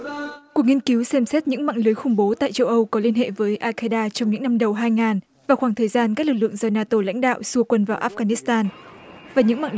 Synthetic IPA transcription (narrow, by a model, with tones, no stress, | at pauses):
ku˨˩ək̚ŋi˧ənki˨˦wsɛ˧msɛ˦˥t̚ɲɨ̰˧˥ŋma̰ː˧˨ŋlɨ˨˦jxʊ˧ŋ͡mɓo˨˦t̪a̰ː˧˨jt͡ɕə˧wʔə˧wkɔ˨˦li˧ənɦḛ˧˨vəː˨˦jʔaː˧kaː˧jɗaː˧t͡ɕɔ˧wŋ͡mɲɨ̰˧˥ŋna˧mɗə˨˩wɦaː˧jŋaː˨˩n | vaː˨˩wxwaː˧˩ŋt̪ʰəː˨˩jzaː˧nka˦˥k̚lɨ˨˩k̬̚lɨ̰˧˨ə˨ŋzəː˧˩naː˧t̪o˧˩la̰˧˥jŋ̟ɗa̰ː˧˨wsu˧əkwə˧nvaː˨˩wʔaː˦˥fɣaː˧ni˦˥st̪aː˧nvaː˨˩ɲɨ̰˧˥ŋma̰˧˨ŋ